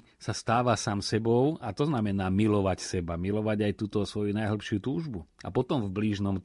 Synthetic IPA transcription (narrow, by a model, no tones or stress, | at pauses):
sast̪aːʋasaːmsɛbɔʊat̪ɔznamɛnaːmilɔʋacsɛbamilɔʋaɟajt̪uːt̪ɔsʋɔjunajɦl̩pʃɪut̪uːʒbua̰pɔt̪ɔmvbliːʒnɔm